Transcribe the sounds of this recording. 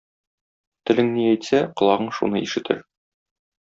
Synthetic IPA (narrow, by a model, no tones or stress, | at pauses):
t̪ɘ̆lɘŋniæjt̪sæqŏlˠɑʁɤɴʃṵnɤiʃɘ̆t̪ʰɘ̰ɾ